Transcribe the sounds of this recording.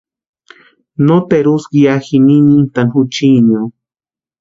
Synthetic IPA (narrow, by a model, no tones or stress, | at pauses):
not̪eɾuskiaxininint̪anxut͡ʃiɲo